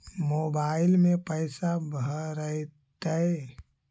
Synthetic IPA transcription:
mobaɪlmẽpəɪsabʱəɾət̪ə

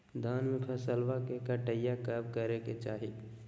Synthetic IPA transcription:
d̪ʱaːnmẽpʰəsəlwakekəʈəjakəb̚kəɾeket͡ʃaːɦi

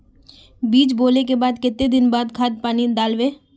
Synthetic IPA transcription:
biːt͡ʃboːlekebaːd̪kɪt̪ːed̪ɪnbaːd̪kʰaːd̪̚paːnid̪aːlʋeː

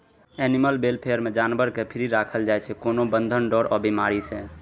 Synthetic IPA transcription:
ɛniməlbelpʰejəɾmed͡ʒanbəɾkepʰiɾiɾakʰəld͡ʒajt͡ʃʰɛkonobənd̪ʱənɖɔɾɔbimaɾise

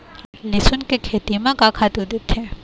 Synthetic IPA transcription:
lɪsʊnkekʰeːt̪imãkakʰat̪ud̪ɪt̪ʰːe

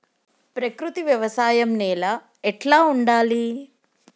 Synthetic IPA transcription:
pɾɐkɾut̪iʋjɐʋɐsaːjɐmnɛːlaː | ɛʈlaːuɳɖaːli

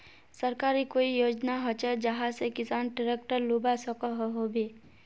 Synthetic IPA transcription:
səɾkaːɾikoːijoːd͡ʒnaɦot͡ʃəd͡ʒəɦãsekɪsaːnʈəɾek̚ʈəɾluːbasɔkoɦoɦobiː

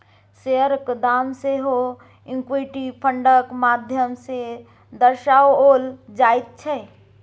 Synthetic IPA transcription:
seəɾkd̪aːmseɦo | ɪŋkwiʈipʰəɳɖəkmaːd̪ʱjəmse | d̪əɾʃaːwoːld͡ʒait̪̚t͡ʃʰɛ

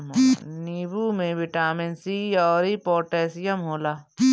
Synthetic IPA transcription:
niːbumẽʋɪʈaːmensiɔːɾipoːʈɛːsɪjəmɦoːlaː

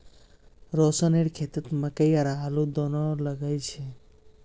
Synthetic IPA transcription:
ɾɔsəneɾkʰet̪ət̪məkəjaɾalud̪ɔnɔləɡəjt͡ʃʰe

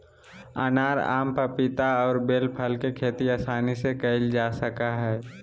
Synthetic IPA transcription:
a̰naːɾa̰ːmpəɾpɪt̪aɔːɾbeːlpʰəlkekʰeːt̪iaːsaːnisekəɪld͡ʒaːsəkaɦɛː

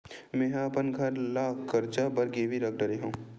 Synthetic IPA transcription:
mɛ̃ːɦɐpənɡʱɐɾlaːkːɐɾt͡ʃabɐɾɡeːʋiɾɐk̚ʰɖəɾeɦũː

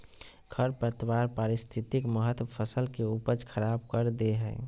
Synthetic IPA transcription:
ɡʰəɾpɾət̪waɾpaɾɪst̪ʰit̪ikməɦət̪wəpʰəsəlkeupəd͡ʒkʰəɾab̚kəɾd̪eɦɛ̰

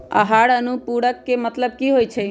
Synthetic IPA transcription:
ə̰ɦaɽənupuɽəkːemət̪ləb̚kiɦojt͡ʃʰɛ

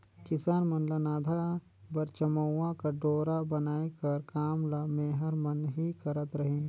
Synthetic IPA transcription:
kɪsaːnmɐnlanaːd̪ʱa | bɐɾt͡ʃəməãkaɖoːɾabɐnaːekɐɾkaːmlameːɦəɾmənɦikɐɾət̪ɾɐɦẽː

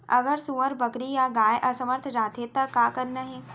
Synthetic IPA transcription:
ɐ̰ɡəɾsuʋəɾbɐkɾijaɡaːjʔɐsəməɾt̪ʰd͡ʒaːt̪et̪ɐkaːkəɾnaɦɛː

